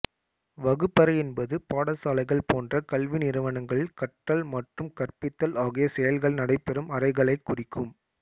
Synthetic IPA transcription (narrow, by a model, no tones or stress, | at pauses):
ʋɐɣɯpːɐɾɐjɛnbɐðɯpaːɽɐsaːlɐɪɣɐɭpoːndrɐkɐɭʋɪnɪɾɯʋɐnɐŋɡɐɭɪkɐʈːɐlmɐʈrɯmkɐrpɪt̪ːɐlaːɣijɐsɛjɐlɣɐɭnɐɽɐɪpːɛɾɯmɐɾɐɪɣɐɭɐɪkːʊrɪkːɯm